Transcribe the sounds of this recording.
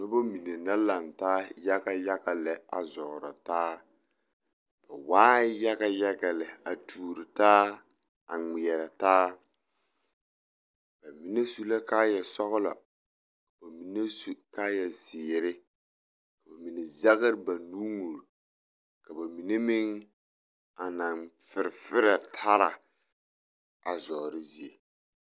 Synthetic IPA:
no˦ba˦mi˨ne˨na˦la˨ntaː˦ja˦ɡa˦ja˦ɡa˨lɛ˨a̰˨zɔ˨ʔʊ˨ɾa̰˨taː˦ | b̥a˨waː˦ja˦ɡa˦ja˦ɡa˨lɛ˨a˨tʰuː˨ɾɪ˨taː˦ | a˨ŋ͡mi˨ɛ˨ɾa˨taː˦ | ba˨mi˨ne˦su˦la˦kaː˦jɛ˨sɔ˦ɣʊ˦la̰˨ | ka˨ba˨mi˨ne˦su˦kaː˦jɛ˨zɪː˨ɾɪ˦ | ka˨ba˨mi˨ne˨za˦ɣɪ˦ɾɨ˦ba˨nuː˦ŋu˨ɾ | ka˨ba˨mi˨ne˦mɪ˦ŋ | a˨na˨ŋfɪ˨ɾɪ˨fɪ˦ɾa˨tʰa˦ɾa˨ | a˨zɔː˨ɾɪ˦zi˨e˨

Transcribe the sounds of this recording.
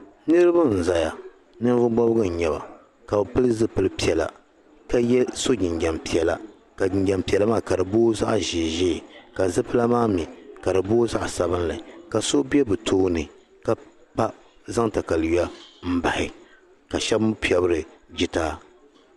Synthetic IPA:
nɨ˦ɾɨ˦ba˦n̩˨za˨ja˨ | nɨ˦nvʊ˦ɡ͡bɔ˦bɡɨ˦n̩˨ɲɛ˨ba̰˨ | ka˨bɨ˨pɨ˦lɨ˦zɨ˦pɨ˦lɨ˦pi˦ɛ˨la̰˨ | ka˦jɛ˦so˦ɡɪ˨ŋɡʲɛ˨mpi˨ɛ˨la̰˨ | ka˨ɪ˨ɲɡɛ˨mpi˨ɛ˨la˦maː˦ka˨dɨ˨boː˦za̰˦ʔʒɪː˨ʒɪː˦˨ka˨zɨ˦pɨ˦la˦maː˦mi˨ka˨ɾɨ˨boː˦za˦ʔsa˨βɨ˦n˦la˨ka˨so˦bɛ˦bɨ˨tʰoː˦nɨ˨ | ka˦˨ | pa˦ | za˦ŋta˨ka˨la˦m̩˦ba˨hɪ˨ | ka˨ʃɛ˦bmʊ˦pi˦ɛ˦bɨ˦ɾɨ˨d͡ʒɪ˨taː˦

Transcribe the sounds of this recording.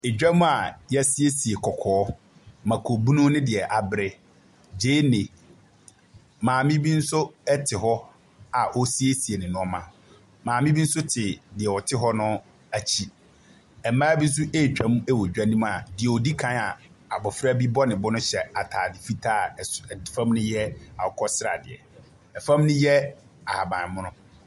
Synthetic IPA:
e˨d͡ʑᶣa˦mũ˦a˨jɛ˦sɪ˦e˦si˨e˨kʰɔ˨kʰɔː˨˦ | mã˨kʰo˨bu˦nũ˦nɪ̃˦dɪ˨ɛ˨ʔa˨bɾɪ˦ | d͡ʑeː˦nɪ̃˨ | mãː˨mĩ˦bi˦n̩˦sʊ˦ɛ˦tʰɪ˨ɦɔ˦ | a˨ʔɔ˦si˦e˦si˨e˨nɪ̃˨nʊ̃˦ɔ˦mã̰˨ | mãː˨mĩ˦bi˦n̩˦sʊ˦tʰɪ˨dɪ˨ɛ˨wɔ˨tʰɪ˦ɦɔ˦nʊ̃˦ | a˨t͡ɕʰi˦ | ɛ˨m˦mãː˦bi˦n̩˦s̬ʊ˦ʔeː˦˨t͡ɕᶣã˨˦m˦e˦wo˨d͡ʑᶣa˦nĩ˦m˦a˨dɪ˨ɛ˨ɔ˨di˦kʰã˦a˨ | a˨bɔ˨fɾa˦bi˦bɔ˦nɪ̃˨bɔ˦nʊ̃˦ɕɛ˨a˨tʰaː˨dɪ˨fi˦tʰa˦˨fã˦m˦nʊ̃˦jɛ˦a˨ɔ˨kʰɔ˦sɪɾa̰˨dɪ̰˨ɛ̰˨ | ɛ˨fã˦mnʊ̃˦jɛ˦ | a˨ha˨bãː˨mʊ̃˦nʊ̃˦

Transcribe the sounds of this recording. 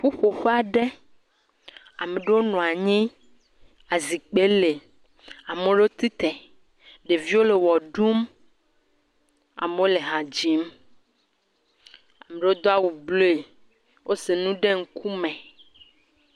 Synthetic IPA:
ɸu˦ɸo˨ɸe˦a˨ɖe˦ | a˨mẽ˨ɖe˦wo˦nɔ̃˨a˨ɲĩ˦ | a˨zi˨k͡pe˦le˨ | a˨mẽ˦ɖe˦wo˦t̪i˦t̪ɛ˨ | ɖe˨vi˦wo˦le˨wɔ˨ɖu˦m | a̰˨me˦wo˦le˨ɦã˨d͡ʑi˦m | a˨me˨ɖe˦wo˦d̪ɔ˦a˦˨wu˨blo˦e˨ | wʔo˦se˨nũ˦ɖe˦ŋ̩˦kʰu˦mɛ̃˨

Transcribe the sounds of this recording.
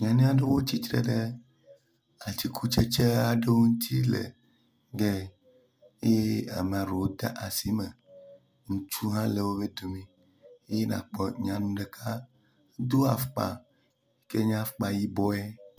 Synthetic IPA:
ɲ˨ã˨nĩ˦a˦ɖe˦wo˦t͡ɕi˦t̪ɾḛ˦ɖe˦ | a˨t̪i˨kʰu˦t͡ʃe˦t͡ʃe˦a˨ɖe˦wo˦ŋũ˦t̪ʰi˦lḛ˨ | ɡe˦ | e˦je˦a̰˨m̃˨a˨ɾo˨wo˦d̪a̰˦ʔa˨si˦mẽ˨ | ŋũ˨t͡ʃu˦ɦã˦le˨wo˦be˦d̪o˨mĩ˦ | e˦je˦nã̰˨k͡pɔ˨ɲã˨nũ˦ɖe˨kʰa˦ | d̪o˦a˨fk͡pa̰˨ | e˦ke˦ɲ˦ã˦fk͡pa˨ji˦bɔ˦ɛ˦

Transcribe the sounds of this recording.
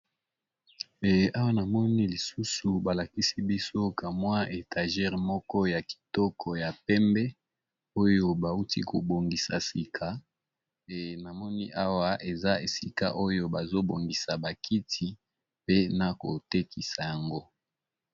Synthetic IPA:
a˦wa˦na˨mɔ˦ni˦li˨su˦su˨ba˨la˨ki˦si˦bi˦so˦ka˨mwa˦e˨tʰa˨ʒɛ˦˨ʁmɔ˦kɔ˦ja˨ki̥˨tɔ˦kʰɔ˨ja˨pɛ˦mbɛ˦ | o˦jo˦ba˨u˦ti˦ko˨bo˨ŋɡi˨sa̰˨si˨kʰa˨ | e˨na˨mɔ˦ni˦ʔa˦wa˦ʔe˨za˦e˨si˨ka̰˦ʔo˦jo˦ba˨zo˦bo˨ŋɡi˨sa˨ba˨kʰi˦tʰi˨ | pe˦na˨ko˨te˦kʰi˨sa˨ja˨ŋɡo˦

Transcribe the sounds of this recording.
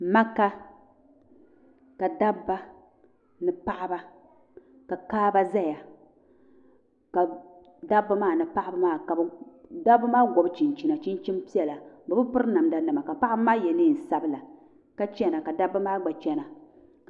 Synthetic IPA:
ma˦ka˦ | ka˨da˦bːa˦ | nɨ˦pa˦ʔa˦ba˦ | ka˨kaː˦ba˦za˦ja˨ | ka˨ | da˦bːa˦maː˦˨nɨ˨pa˦ʔa˦bɨ˦maː˦˨ka˨bda˦ba˦maː˦ɡʷɔ˨˦bt͡ʃi˨nt͡ʃi˨na˨t͡ʃi˦n˦t͡ʃi˦mpi˦ɛ˨la˨bɨ˨bɨ˦pʊ˦ɾɨ˦na˨mda˦nɨ˨ma˨ka˨pa˦ʔa˦ba˦maː˦jɛ˨nɨ˦˨n̩˨sa˦bɨ˦la˨ | ka˦t͡ʃɛ˦na˨ka˨da˦bːa˦maː˦ɡ͡ba˨t͡ʃɛ˦na˨

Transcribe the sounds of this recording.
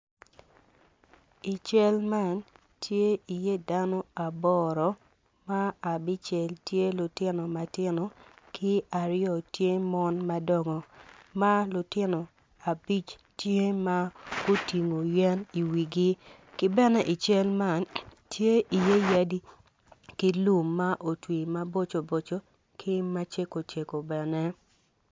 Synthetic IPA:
i˨t͡ʃɛ˦lma˦˨n | tʰje˦i˨je˦da˦nɔ˦a˨bɔ˦ɾɔ˨ | ma˦a˨bɪ˦t͡ʃe˨ltje˦lʊ˨tɪ˦no˨ma˨tɪ˦no˨kʰɪ˦a˨ɾɪjɔ˨tje˦mɔ˦nma˦dɔ˨ŋɔ˨ma˦lʊ˨tɪ˦no˨ | a˨bi˦t͡ʃ | tje˦ma˦ɡ̥ʊ˦ti˨ŋo˨jɛ˦ni˨wi˨ɡi˦ | kɪ˦bɛ˦nɛ˦ʔi˨t͡ʃe˦lma˦˨ntʰje˦ʔi˨je˦ja˦di˦ | ki˦lu˦mːa˦ʔo˨twi˨ma˦bo˦t͡ʃo˨bo˨t͡ʃo˦ | kʰɪ˦ma˦t͡ʃe˦ko˨t͡ʃe˨ko˨bɛ˨nɛ˦

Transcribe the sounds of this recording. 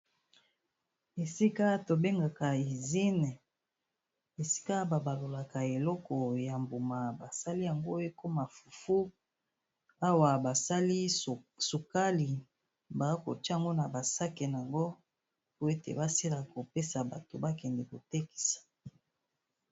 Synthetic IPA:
e˨si˦ka˦to˨be˦ŋɡa˨ka˨i˨zi˦n˨ | e˨si̥˦ka˦ba˨ba˨lo˨la˨ka˨e˨lɔ˦kɔ˨ja˨mbo˨ma˨ba˨sa˦li˦ja˨ŋɡo˦e˦ko˦ma˨fu˨fu˦ | a˦wa˨ba˨sa˦li˦su˨ka˦li˨ | ba˨˦ko̰˨ti˦˨ŋɡo˦na˨ba˨sa˦ke˨n˨a˨ŋɡo˦ | pu˦e˦tḛ˨ba˦si˦la˨ko˨pe˦sa˨ba˨to˨ba˦kɛ˨ndɛ˨ko˨te˦ki̥˨sḁ˨

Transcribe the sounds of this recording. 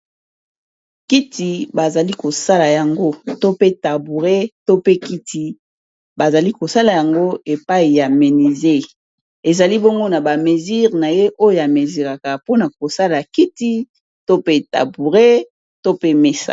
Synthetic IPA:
ki˦ti˨ba˨za˨li˦ko˨sa˦la˨ja˨ŋɡo˦to˦pe˦ta˨bu˨ʁe˦to˦pe˦ki˦ti˨ | ba˨za˨li˦ko˨sa˦la˨ja˨ŋɡo˦e˨pa˦i˨ja˨me˨ni˨ze˦˨ | e˨za˨li˦bɔ˦ŋɡo˦na˨ba˨me˨zi˦ʁna˨je˦ʔo˦jo˨ja˨me˨zi˨ʁa˨ka˨po˦na˨ko˨sa˦la˨ki˦ti˦ | to˦pe˦ta̰˨bu˨ʁe˦ | to˦pe˦me˦sa̰˨

